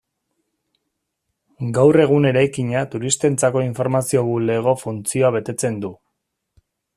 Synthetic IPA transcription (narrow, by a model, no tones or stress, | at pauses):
ɡawre̞ɣ̞une̞ɾajkiɲat̪uɾist̪e̞nt͡sako̞iɱfo̞ɾmasio̞βule̞ɣ̞o̞funt͡sio̞aβ̞e̞t̪e̞t͡se̞nd̪u